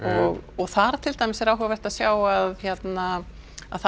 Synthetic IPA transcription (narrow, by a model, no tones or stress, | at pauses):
ɔɣɔɣθaɾat̪ʰɪlt̪ajmɪsɛɾawɦɛavɛr̥t̪aðsjaːwaðçjɛt̪na | a̰ðθ